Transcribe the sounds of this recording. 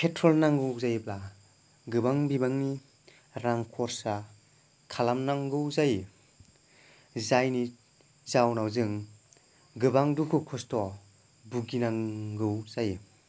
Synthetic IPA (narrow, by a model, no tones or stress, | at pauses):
kʰetʰɾɔlnaŋɡɯwzajbla | ɡɯbaŋbibaŋni | ɾaŋkʰɔɾsa | kʰalamnaŋɡɯwzaj | zajni | zawnawzɯŋ | ɡɯbaŋdukʰukʰɔstɔ | buɡinaŋɡɯwzaj